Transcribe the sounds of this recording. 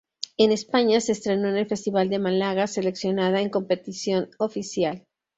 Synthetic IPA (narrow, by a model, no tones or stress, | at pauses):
e̞ne̞spaɲase̞ːst̪ɾe̞noene̞lfe̞st̪iβald̪e̞malaɣase̞le̞ksjo̞nað̞aeŋko̞mpe̞t̪isjo̞nofisjal